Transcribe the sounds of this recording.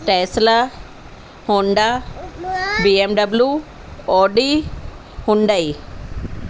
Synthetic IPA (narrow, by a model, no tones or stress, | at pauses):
ʈeːsla | hõɳɖ̪a | biemɖɐblju | ɔːɖi | hʊ̃ɳɖ̪ai